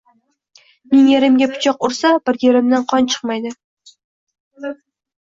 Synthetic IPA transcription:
mɪŋjeɾɪmɡʲapʰʊ̥t͡ʃʰɑqʊɾsabɪɾjeɾɪmd̪ɪnqʰɒnt͡ʃʰɨ̥qmajd̪ɪ

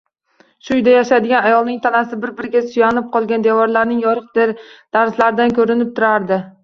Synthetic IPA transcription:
ʃʊjd̪ajaʃad̪ɪɡʲanajɒlˠnɪŋt̪ʰanasɪbɪɾbɪɾɪɡʲasʊjanɪp̚qʰɒlˠɡʲand̪ewɒɾlaɾnɪŋjɒɾɨq̚d̪eɾd̪̥aɾslaɾɪd̪ankʲʰɵɾɪnɪp̚t̪ʰʊɾaɾd̪ɪ

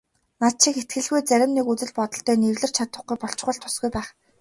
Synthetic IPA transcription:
nat̪̚t͡ɕʰĭket̪̚ɡɘ̆ɮɣujt͡sæɾʲɪ̆mnekut͡sɘ̆ɮpɔt̪ɞ̆ɬt̪œːnewɮɘ̆r̥t͡ɕʰat̪ə̆χɡujpɔɬt͡ɕ̆χə̆ɬt̪ʰːʊ̥sɡujpæːχ

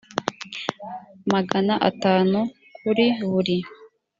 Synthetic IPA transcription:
maɡanaʔa̰taːnu | kʰuɾiβuɾi

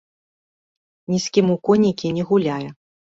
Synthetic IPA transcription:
nʲisʲkʲimukɔnʲikʲinʲɛɣulʲajɛ

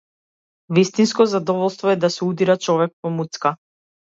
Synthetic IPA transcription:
vist̪inskɔzad̪ɔvɔlˠst̪vɔɛd̪asɛud̪iɾat͡ʃɔvɛk̚pɔmut̪ska

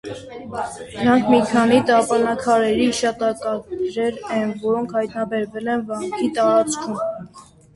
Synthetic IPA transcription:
d̪əɾɑŋkʰmikʰɑnit̪ɑpɑnɑkʰɑɾɛɾiiʃɑt̪ɑkɑɾɛɾɛnvɔɾɔŋkʰhɑjt̪nɑbɛɾvɛlɛnvɑŋkʰit̪ɑɾɑt͡skʰum

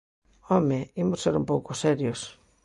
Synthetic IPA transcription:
ɔmeimʊsseɾṵmpowkʊsɛɾjos

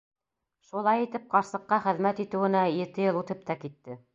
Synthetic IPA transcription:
ʃulˠɑjit̪ɘp̚qɑɾsɤ̆qːɑχɘ̆ðmæt̪it̪ɘ̆wɘ̆næjɘ̆t̪ɘjɤlˠut̪ɤp̚t̪ɑkit̪ːɘ

